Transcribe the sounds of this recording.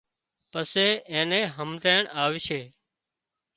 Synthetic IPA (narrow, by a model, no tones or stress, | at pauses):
pəseːẽːnẽːɦəmt̪eːɳaːʋɪːʃeː